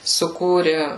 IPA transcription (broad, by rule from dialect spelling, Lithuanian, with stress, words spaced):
sʊˈkuːrʲɪ